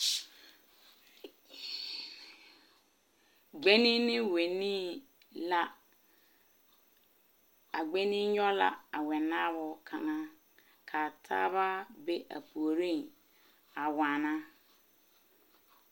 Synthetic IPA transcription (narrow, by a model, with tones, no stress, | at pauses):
ɡ͡be˦nĩ˦nɪ̃˦we˨nĩ˦ | la˦ | a˨ɡ͡be˦nĩ˦ɲɔ˦la̰˨a˨wɛ˨nã˦bʊ˨kʰã˨ŋã˦ | kʰa˨tʰa̰ː˦βa˦be˦ʔa̰˨pʰu˨o˨ɾĩ˦˨n | a˨wã˨nã˦